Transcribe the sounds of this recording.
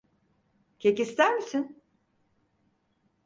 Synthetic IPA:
cʰecist̪ʰæɾmisin

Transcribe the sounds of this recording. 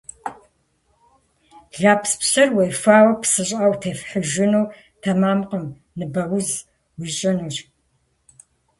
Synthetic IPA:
ɮaːpspɕɐrwejfʷaːwɐpsɨɕʼawtʰeːfħəʒɪnuw | tʰɐmaːmqəm | nɨbɐwʊz | wiɕʼɐnuːɕ

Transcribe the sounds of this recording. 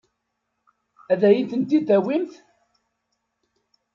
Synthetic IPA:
æðæjənθənt̪id̪æwimθ

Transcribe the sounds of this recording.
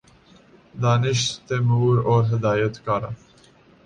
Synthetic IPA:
d̪ɑːnɪʃt̪emuːɾoːɾɦɪd̪ɑːjət̪kɑɾɐ

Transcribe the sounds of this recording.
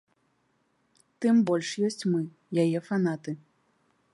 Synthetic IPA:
t̪ɨmbɔlʲʂjɔsʲt͡sʲmɨ | jajɛfan̪at̪ɨ

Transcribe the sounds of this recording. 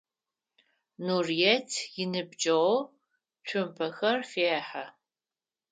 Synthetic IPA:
nurjɛtʰjɪnɨbd͡ʒʼɐwɔ | t͡ʃʷʰʊmpʰɐxɐrfeːħa

